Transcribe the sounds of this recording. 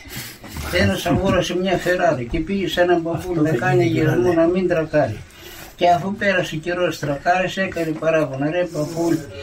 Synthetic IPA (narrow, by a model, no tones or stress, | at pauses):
peɾɐsɐɣuɾɐsemɲɐfeɾaðɐcepiʝesenɐmbɐpulðɐkaɲɐʝezmunɐmind̪ɾɐkaɾḭ | ceɐθupeɾɐseceɾost̪ɾɐkaɾisekɐɾipɐɾɐponɐɾepɐpul